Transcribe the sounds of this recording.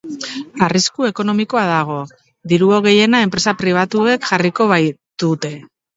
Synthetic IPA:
ariskue̞ko̞no̞miko̞aðaɣ̞o̞ | ðiɾuoɣ̞e̞je̞nae̞mpɾe̞sapɾiβ̞at̪ue̞kʝariko̞βajt̪ut̪e̞

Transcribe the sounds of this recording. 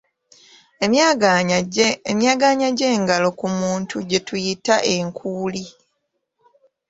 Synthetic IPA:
emjaːɡaːɲaɟe̞ːŋɡalo̞kumuːntʰuɟe̞tujitaʔe̞ŋkʰuːli

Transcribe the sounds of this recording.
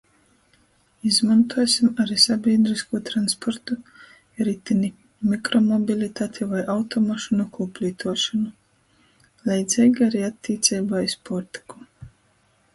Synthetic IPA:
izmant̪uɔsʲimaɾisabʲiɛd̪ɾiskuːt̪ɾanspɔɾt̪u | ɾit̪ini | mikɾɔmɔbʲilʲit̪aːt̪ʲʰivajawt̪ɔmaʃunukuːpʲlʲiːt̪ʰuɔʃanu | lˠʲɛjd̪zʲɛjɡaɾiːat̪ʲːiːt̪sʲɛjbaispɔɾt̪i̥ku̥

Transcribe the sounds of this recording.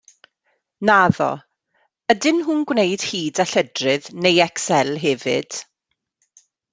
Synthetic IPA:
naðɔ̰ | ədɪnɦuːnɡwnejd̥hiːdaɬədrɨðnejɛksɛlˠɦɛːvɪ̰d̥

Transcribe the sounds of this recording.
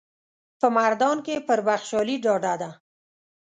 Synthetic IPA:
pəmaɾd̪ɑnkepəɾbaxʃɑliɖɑɖad̪a

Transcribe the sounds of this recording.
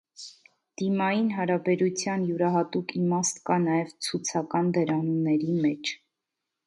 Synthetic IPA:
d̪̥imɑjinɦɑɾɑbɛɾut͡sʰjɑnjuɾɑɦɑt̪ukimɑst̪kɑnɑjɛvt͡sʰut͡sʰɑkɑnd̪əɾɑnunːɛɾimɛt͡ʃʰ

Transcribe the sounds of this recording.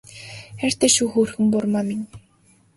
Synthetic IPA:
xær̥t̪æːʃuːxurxɘ̆ŋpʊrmaminʲ

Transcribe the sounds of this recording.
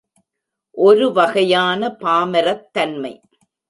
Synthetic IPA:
ʔɔɾɯʋɐɣɐjaːnɐpaːmɐɾɐt̪ːɐnmɐɪ

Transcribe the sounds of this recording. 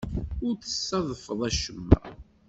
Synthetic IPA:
ʊɾθə̥sːɑðˤəfəðˤæʃəmːæ̰

